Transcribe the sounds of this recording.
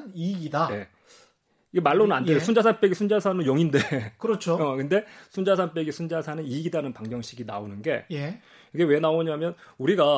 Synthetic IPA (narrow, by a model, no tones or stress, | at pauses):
niɡidaje̞ | iɡemaɭːonɯnandeosʰund͡ʑasʰanp͈e̞ɡisʰund͡ʑasʰanɯnjʌŋinde̞kɯɾʌt͡ɕʰoʌkɯnde̞sʰund͡ʑasʰanp͈e̞ɡisʰund͡ʑasʰanɯniɡidanɯnpaŋɡjʌŋɕʰiɡina̰onɯnɡe̞je | kiɡe̞we̞naoɲamjʌnuɾiɡa